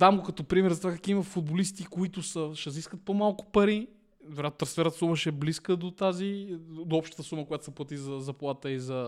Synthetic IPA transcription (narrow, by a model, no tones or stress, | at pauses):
d̪amɡokɐt̪ɔpɾimɛɾzɐt̪ovakɐkivəfʊd̪̚bolist̪ikoit̪ʊsəʃɛziskət̪̚pomalˠkʊ̥pɐɾi | d̪oɾʲat̪ot̪ɾɐ̃sfɛɾət̪əsuməʃɛbliskəd̪ot̪azid̪oɔpʃt̪ə̥t̪əsuməkoʊjat̪o̥sɐplˠɐt̪izɐzɐplˠat̪əizɐ